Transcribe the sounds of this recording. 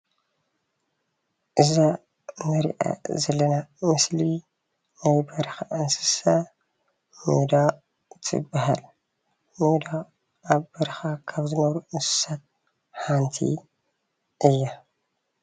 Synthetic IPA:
ʔɨza | nɐɾḭʔa̰zɐlːɐnamɨsli | najbɐɾɐxaʔɨnsɨ̥sa | mṵd̪a | t̪ʰɨ̰bːaɦal | nud̪a | aβbɐɾɐxakʰaβzɨnɐβɾuʔɨnsɨ̥sat̪̚ | ħant̪ʰḭ | ʔɨjːa

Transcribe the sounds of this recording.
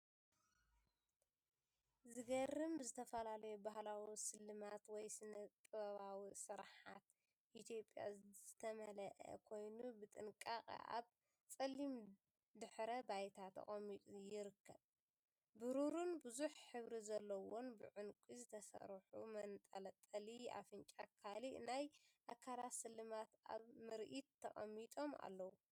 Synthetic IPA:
zɨɡɐrɨmbɨzɨt̪ʰɐfɐlalɐjubahlawisɨlːɨmat̪wɔjsɨnɐt̪ʼɨβɐβawisɨɾħa̰t̪ | ʔit̪ʰjopʼːja̰zɨt̪ʰɐmɐlɐʔɐ̰kʰo̞jnubɨt̪ʼɨŋkʼaqʼʔa̰β | t͡sʼɐlim | d̪ɨħɾɐbajt̪ʰat̪ʰɐ̰χʼɐmːit̪ʼujɪɾɨkʰːɐβ | bɨɾuɾunbɨzuħħɨβɾizɐlːɐwonbɨʕʊnkʷʼizɨt̪ʰɐsɐ̰ɾħṵmɐnt̪ʼɐlɐt̪ʼːɐlia̰fɨnt͡ʃʼakʰalinajʔakʰːalat̪sɨlːɨmat̪a̰βmɨɾʔit̪ʰːɐχʼɐ̰mːit̪ʼo̞ma̰lːɐwu

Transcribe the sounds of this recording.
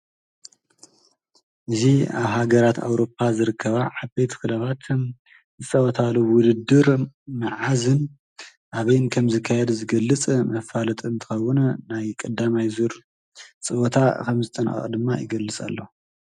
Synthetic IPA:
ʔɨziaβhaɡɐɾat̪ʰa̰wɾo̞p̚ʰːazɨɾɨkʰːɐβaʕabet̪ʰkɨlɐβat̪m | zɨsʼɐwɐt̪ʰaluwʊd̪ɨd̪ːɨɾmɨʕazɨn | ʔaβɐjnkʰɐmzɨkʰːajɛd̪zɨɡɐlːɨt͡sʼmɐfalɐt̪ʼɨnt̪ʰɨ̥xɐwːʊnnajkʼɐd̪amajzuɾ | t͡sʼɨwot̪ʰakʰɐmzɨt̪ʼɐn̰xʼd̪ɨmːajɪ̰ɡɐlːɨt͡sʼa̰lːo

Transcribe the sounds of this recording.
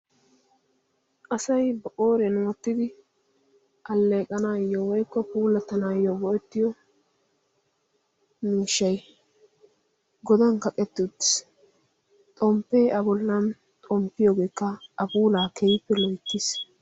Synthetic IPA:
ʔɐsɐjbɐʔoːɾɛnʊɔt̪ːɪd̪ɪ | ʔɐlːeːkʼɐnaːjːɔwɔjkːɔpuːlɐt̪ːɐnaːjːɔɡɔʔɛt̪ːɪjɔ | miːʃːɐj | ɡɔd̪ɐnkɐkʼɛt̪ːɪʊt̪ːɪ̥s | t̪ʼɔmpːeːʔɐbɔlːɐn | t̪ʼɔmpːɪjoːɡe̞ːkːɐʔɐbuːlaːkʰɛjpːɛlɔjt̪ːɪs

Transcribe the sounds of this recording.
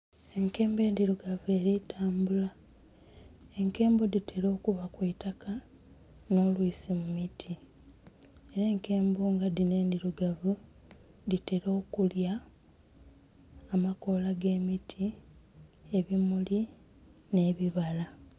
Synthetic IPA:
e̞ŋke̞ːmbe̞ːndiɾuɡavue̞ɾitʰaːmbula | e̞ŋke̞ːmbodite̞ɾo̞ːkuβakwetaka | no̞ːlwisimumitʰi | e̞ɾeːŋke̞ːmbuːŋɡadine̞ːndiɾuɡavu | dite̞ɾo̞ːkulja | mako̞laɡe̞ːmitʰi | e̞βimuli | ne̞ːβiβala

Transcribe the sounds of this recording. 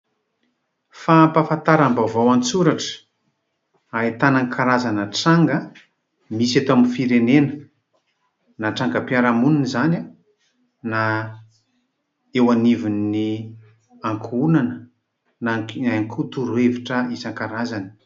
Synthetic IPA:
fampafãnt̪aɾambavawant͡suɾaʈ͡ʂə̥ | aet̪anaŋkʰaɾazanəʈ͡ʂaŋɡə | miset̪oaminfiɾenenə | naʈ͡ʂaŋɡəpjaɾamuninizana | na | ewanivinːi | aŋkʰunanə | naŋkʰut̪uɾueviʈ͡ʂəizaŋkaɾazani̥

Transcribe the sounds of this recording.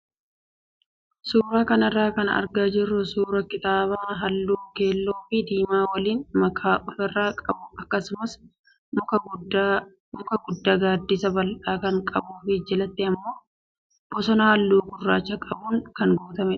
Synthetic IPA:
suːɾaːkɐnɐrːaːkɐnɐ̰ɾɡaːd͡ʒɪrːʊsuːɾɐkɪt̪aːbaɦɐlːuːke̞ːlːo̞ːfɪd̪iːmaːwɐliːnmɐkʰaːʔʊfɛrːaːkʼɐbʊʔɐkːɐsʊmɐs | mʊkɐɡʊd̪ːaːɡaːd̪ːɪsɐbɐlʔaːkɐŋkʼɐbuːfɪd͡ʒɛlɐt̪ːɪɐmːo̞ː | b̥ɔsɔnɐhɐlːuːɡʊrːaːt͡ʃːɐkʼɐbuːŋkɐŋɡo̞ːt̪ɐmɛ

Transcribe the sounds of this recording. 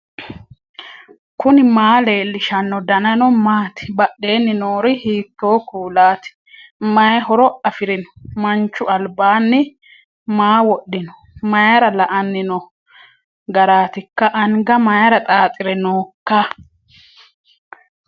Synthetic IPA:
kʊnɪmaːle̞ːlːɪʃɐnːɔd̪ɐnɐnɔmaːt̪ɪ̥bɐʔːe̞ːnːɪnoːɾɪhiːt̪ːo̞ːkuːlaːt̪ɪ̥ | mɐjɐɦɔɾɔɐfɪɾɪnɔ̥mɐnt͡ʃːʊɐlbaːnːɪ | maːwɔɗːɪnɔ̥ | mɐjɐɾɐlɐʔɐnːɪnɔ | ɡɐɾaːt̪ɪkːɐʔɐŋɡɐmɐjɐɾɐt̪ʼaːt̪ʼɪɾɛnoːkːa

